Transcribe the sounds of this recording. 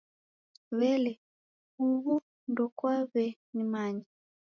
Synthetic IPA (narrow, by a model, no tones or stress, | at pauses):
βɛlɛ | uβu | ndɔkwaβɛnimaɲi